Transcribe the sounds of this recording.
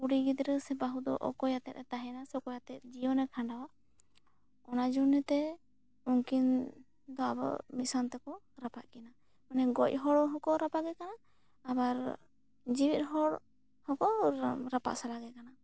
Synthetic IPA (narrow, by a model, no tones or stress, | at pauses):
uɽiɡid̪ɾəsɛbaɦud̪ɔ̰ʔɔ̰kɔjat̪ɛt̪̚ɛt̪aɦɛnasɛkɔjat̪ɛt̪̚ˀd͡ʒijɔnɛkʰaɳɖawa | ɔnad͡ʒunɛt̪ɛ | uŋkin | d̪ɔabɔ̰ʔmisant̪ɛkɔ | ɾapat̪̚ˀkɛna | manɛɡɔc̚ˀɦɔɽɔɦɔkɔɾapaɡɛkanaː | baɾ | d͡ʒiwit̪̚ɦɔɽ | hɔkɔɾapa̰ʔsalaɡɛkana